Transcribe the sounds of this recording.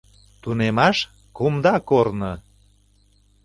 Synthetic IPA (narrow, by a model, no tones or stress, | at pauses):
t̪unemɑʃ | kumd̪ɑkornɤ